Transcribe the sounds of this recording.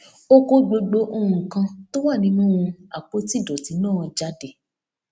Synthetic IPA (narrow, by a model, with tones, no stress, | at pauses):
o˧ko˦ɡ͡bo˧ɡ͡bo˨˦ʔo˧ɾũ˨kã˧to˦wa˦˨nĩ˨˦nũ˦ũ˧a˨k͡po˨˦ti˦˨dɔ˨ti˨˦nãː˦˨˧d͡ʒa˨˦de˨